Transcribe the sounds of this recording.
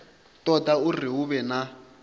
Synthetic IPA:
tʼɔdauriɦuβɛna

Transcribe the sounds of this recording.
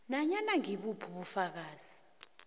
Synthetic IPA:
naɲanaŋiɓupʰuɓufak̬aːz̥i

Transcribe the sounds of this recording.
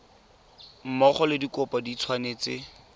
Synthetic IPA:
m̩mɔχɔlɪdikɔpadit͡sʰwaneːt͡sɪ

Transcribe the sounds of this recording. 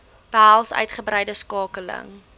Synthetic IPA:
b̥əɦælˠsœ̰ɥtχəbɾɛjdəskɑːkələ̰ŋ

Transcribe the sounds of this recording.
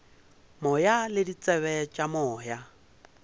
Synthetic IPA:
mɔjalɪdit͡sʼɛβɛt͡ʃʼamɔːja

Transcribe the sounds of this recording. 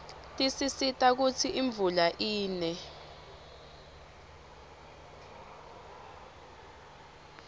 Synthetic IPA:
tʼisisitʼak̬ut͡sʰiʔiɱb̪vulaʔiːnɛ

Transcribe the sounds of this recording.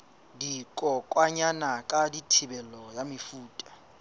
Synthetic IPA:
dikʼɔkʼwaɲanakʼaditʰibɛlɔjamifuːtʼḁ

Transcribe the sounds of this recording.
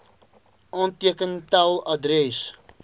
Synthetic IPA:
ʔɑntiəkəntalˠɐdɾɛs

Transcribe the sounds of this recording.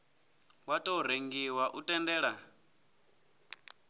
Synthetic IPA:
watʼoɾeŋɡiwaʔutʼɛndɛːɺa

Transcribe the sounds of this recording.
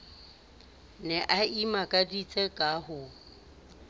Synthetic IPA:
nɛʔaimakʼadit͡sʼɛkʼaɦʊ

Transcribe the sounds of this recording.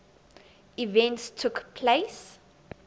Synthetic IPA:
ivɛ̃ntstʰukpʰles

